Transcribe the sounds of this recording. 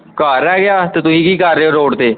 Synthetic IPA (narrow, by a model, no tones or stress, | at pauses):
kaːɾːɛːɡɪaːt̪eːt̪ʊsĩːkiːkəɾːeːoːɾoːɖt̪eː